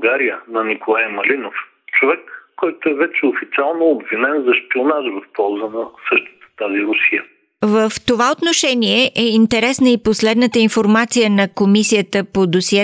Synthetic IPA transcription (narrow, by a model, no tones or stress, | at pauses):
ɡaɾijənɐnikolˠajmɐlinof | t͡ʃovɛkːɔjt̪oɛvɛt͡ʃɛofit̪sʲialˠnoːbvinɛnzɐʃpionaʒvəfpɔlˠzənɐsɤʃt̪ə̥t̪ə̥t̪aziɾʊsijə | vəft̪ovaot̪noʃɛniɛʔɛint̪ɛɾɛsnəiposlɛd̪nət̪əinfoɾmat̪sijənɐkomisijət̪əpod̪osiɛ